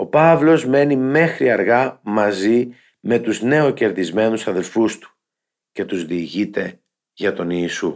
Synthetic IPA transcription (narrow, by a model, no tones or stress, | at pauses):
o̞pɐvlo̞zme̞nime̞xɾiɐɾɣɐmɐzi | me̞t̪uzne̞oce̞ɾðizme̞nusɐðe̞lfust̪u̥ | ce̞t̪uzðiːʝit̪e̞ | ʝɐt̪o̞niːsu